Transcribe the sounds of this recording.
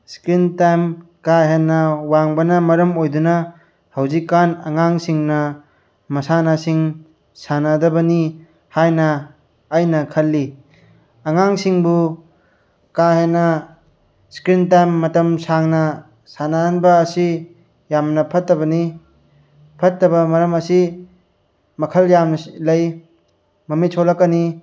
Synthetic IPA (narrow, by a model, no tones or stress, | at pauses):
skɾintajmkaɦenːɐwaŋbɐnɐmɐɾɐmojdunɐ | hɐwzikːanɐ̰ŋaŋsiŋnɐ | mɐsanasiŋ | sanadɐbɐni | hajnɐː | jnɐkʰɐlːi | ɐŋaŋsiŋbu | kaɦenɐ | skɾintajmːɐtɐmsaŋnɐ | sanaanbɐːsi | jamnɐpʰɐtːɐbɐni | pʰɐtːɐbɐmɐɾɐmɐsi | mɐkʰɐljamnɐlɐj | mɐmisʰolɐkːɐni